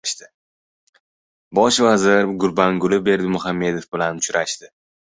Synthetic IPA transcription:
ʃt̪ɪ | bɒʃvazɪɾɡʊɾbaŋɡʊlɪbe̞ɾd̪ɪmʊɦamːe̞d̪o̞fbɪlanʊt͡ʃɾaʃt̪ɪ

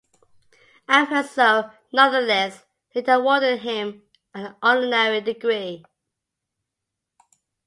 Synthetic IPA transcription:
æ̃nfəsoʊ | nʌ̃nðəlɛs | hedəwɔdɪd̚ɦɪ̃m | ə̃nɔdənɛɹidɪɡɹi

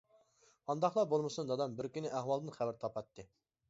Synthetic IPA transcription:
ɑnd̪ɑχlˠɑbolˠmɨsund̪ɑd̪ɑmbɪɾkʲynɪʔæɦwɑlˠd̪ɨnχæwɪɾt̪ʰɑpɑt̪ːɨ

